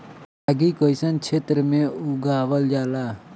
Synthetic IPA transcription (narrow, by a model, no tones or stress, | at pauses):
aɡiːkoisənt͡ʃʰeːt̪ɾəmẽːuɡaːʋəld͡ʒaːlaː